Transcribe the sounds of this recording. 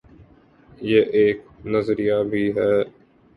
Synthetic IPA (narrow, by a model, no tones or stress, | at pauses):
jeːʔeːk̚nəzɾijabʱiːɦɛː